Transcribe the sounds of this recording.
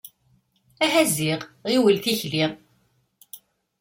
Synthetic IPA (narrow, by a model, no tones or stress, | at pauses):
æɦæziʁiwəlθiçliʁ